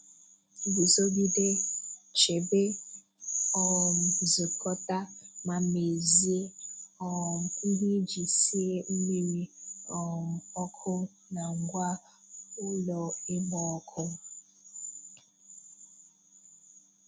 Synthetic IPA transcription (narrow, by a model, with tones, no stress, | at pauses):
bi˨zo˦bi˦de̥˦t͡ʃe˨be˦ | ɔ˨mzi˨kʰʼɔ˦tʼa˦ma˨me˨zi˦e˦ɔ˨m̩˨kʼu˦bi˦d͡ʒi˨si˦e˦m̩˦mi˦ɾi˦ɔ˨mɔ˦kʰɔ˦ | na˨ŋɡwa˦ | u˦lɔ˨ɛ˦mɔː˦kʰɔ˦